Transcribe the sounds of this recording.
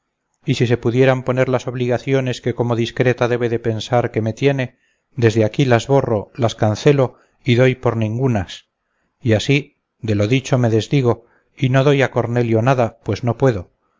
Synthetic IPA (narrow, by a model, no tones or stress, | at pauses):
isise̞puðje̞ɾampo̞ne̞ɾlaso̞β̞liɣaθjo̞ne̞ske̞ko̞mo̞ðiskɾe̞t̪aðe̞βe̞ðe̞pe̞nsaɾke̞me̞t̪je̞ne̞ | d̪e̞zðeakilazβo̞ro̞laskanθe̞lo̞ | iðo̞jpo̞ɾnĩŋɡunas | iasi | d̪e̞lo̞ðit͡ʃo̞me̞ðe̞zðiɣ̞o̞ | ino̞ðo̞jako̞ɾne̞ljonaðapwe̞zno̞pwe̞ðo̞